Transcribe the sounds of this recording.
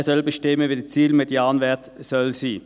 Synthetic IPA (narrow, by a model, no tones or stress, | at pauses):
sɔlbəʃtɪməʋiːd̪it͡siːlmɛd̪jɑːnʋɛt̪sɔlsiː